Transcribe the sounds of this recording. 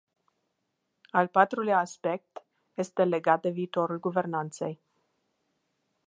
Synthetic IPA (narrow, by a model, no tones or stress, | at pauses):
alpat̪ɾuljaːspe̞k̚t̪ | je̞st̪e̞le̞ɡat̪̚d̪e̞viːt̪o̞ɾulɡuve̞rnant̪se̞̰j